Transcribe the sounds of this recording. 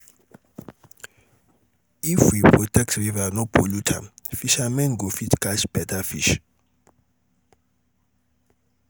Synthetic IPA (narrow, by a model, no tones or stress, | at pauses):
ifwipʰɹɔtʰɛk̚trivanɔbolutʰa̰fiʃamɛ̃nɡofitʰɡ̥at͡ʃb̥ɛtʰafḭʃ